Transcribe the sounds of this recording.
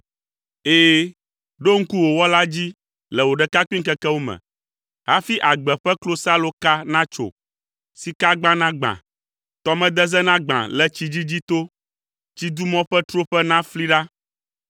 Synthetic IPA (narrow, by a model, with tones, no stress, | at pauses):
eː˦ | ɖo˦ŋ̩˦ku˦wo˨wɔ˦la˦d͡ʑi˦ | lɛ˨wo˨ɖɛ˨ka˦ki˦ŋ˦kɛ˦kɛ˦wo˦mɛ̰̃˨ | ɦa˦fi˦ʔa˨ɡ͡bɛ˨ɸɛ˦klo˦sa˦lo˦ka˦nã˦t͡ʃo̰˨ | si˨ka˦ɡ͡bã˦nã˦ɡ͡bã̰˨ | t̪ɔ˨mɛ̃˦d̪ɛ˦zɛ˦nã˦ɡ͡bã̰˨lɛ˨t͡ɕi˨d͡ʑi˦d͡ʑi˦t̪o˦ | t͡ɕi˦d̪u˦mɔ̃˦ɸɛ˦t̪ɾo˦ɸɛ˦nã˦fli˦ɖa˦